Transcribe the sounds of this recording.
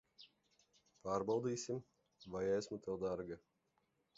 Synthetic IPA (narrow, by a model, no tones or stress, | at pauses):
paːɾbawd̪iːsim | vajɛsmut̪ɛlˠd̪aɾɡa